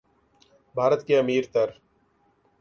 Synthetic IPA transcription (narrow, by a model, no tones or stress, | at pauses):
bʱaːɾət̪keɐmiːɾt̪ɐɾ